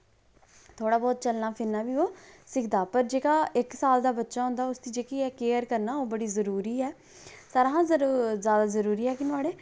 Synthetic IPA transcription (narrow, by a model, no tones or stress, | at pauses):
t̪ʰoːɽaːbɔːt̪t͡ʃəlnaːpʰɪɾnaːʋiːoːsɪkʰd̪aːpəɾd͡ʒeːkaːɪksaːld̪aːbətːʃaːɦʊ̃nd̪aːʊst̪iːd͡ʒeːkiːɛːkeːəɾkəɾnaːoːbəɽiːzəɾuːɾiːɛː | saːɾɦãːzjaːd̪aːzəɾuːɾiːɦɛːkɪnʊaːɽeː